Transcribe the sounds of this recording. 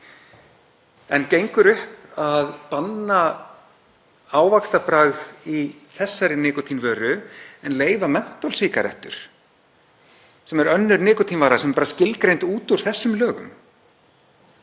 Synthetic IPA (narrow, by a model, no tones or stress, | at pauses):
ɛncejŋkʏɾʏhpaðpanːa | aːwvakst̪apɾaɣðiθɛsːaɾɪnɪːkɔt̪ʰinvœːɾʏɛnleːjvamɛn̥t̪ɔlsiːkaɾɛ̰ht̪ʏ̰ɾ̥ | sɛmɛɾœnːʏɾnɪːkɔt̪ʰinvaːɾasɛmɛpaːɾascɪlkɾejnt̪uːt̪uɾ̥θɛsːʏmlœːɣʏ̰m